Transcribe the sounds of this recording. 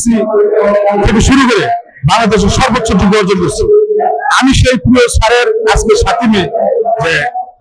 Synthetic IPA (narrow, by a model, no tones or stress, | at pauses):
si | t̪ʰek̬eʃuɾukoɾe | baŋlad̪eʃ̬oɾʃɔɾbotːɕʰod͡ʑuɡːɔɾd͡ʑond̪oɾt͡sʰiamiʃejpɾioʃaɾeɾaskeʃat̪imid͡ʑe